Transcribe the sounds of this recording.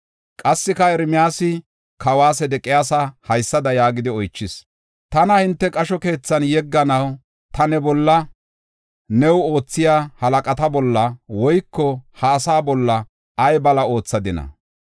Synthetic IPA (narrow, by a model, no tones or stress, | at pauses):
kʼɐsːɪkɐɛɾmɪjaːsɪ | kʰɐwaːsɛd̪ɛkʼːɪjaːsɐhɐjsːɐd̪ɐjaːɡɪd̪ɪɔjt͡ʃːɪs | t̪ɐnɐhɪnt̪ːɛkʼɐʃɔke̞ːt͡sːɐnjɛɡːɐnɐw | t̪ɐnɛbɔlːɐ | nɛwo̞ːt͡sːɪjaːhɐlɐkʼɐt̪ɐbɔlːɐwɔjkːɔhɐːsaːbɔlːɐ | ʔɐjbɐlɐo̞ːt͡sːɐd̪ɪnɐ̰